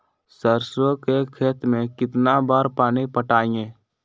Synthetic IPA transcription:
səɾswəkekʰeːt̪mẽkɪt̪nabaːɾpaːnipəʈaːiẽː

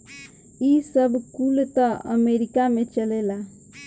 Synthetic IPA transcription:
isəbʱkult̪əə̰meɾikamẽt͡ʃəlela

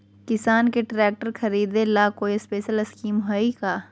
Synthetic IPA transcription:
kɪsaːnkeʈɾɛːk̚ʈəɾxʰɐɾiːd̪ẽlaːkoːispeːʃəlɐskiːmɦoikaː

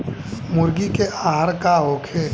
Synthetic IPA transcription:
mʊɾɡikeʔaːɦɾkaɦokʰeː

